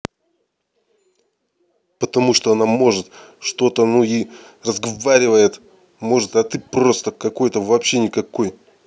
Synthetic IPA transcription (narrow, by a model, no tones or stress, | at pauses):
pət̪ɐmuʂt̪o̞ɐnamo̞ʐɨt̪ʂt̪o̞t̪ənui | rəzɡɐvaɾʲɪvəjɪt̪ | mo̞ʐɨt̪ɐt̪ɨpro̞st̪əkɐko̞jt̪əvɐpɕːe̞nʲɪkɐko̞j